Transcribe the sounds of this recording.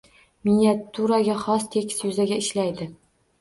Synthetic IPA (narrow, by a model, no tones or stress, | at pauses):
miniat̪ʰːuɾaɡʲaχɒst̪ʰekʲʰɪ̥sjʊzaɡʲaɪʃlajd̪ɪ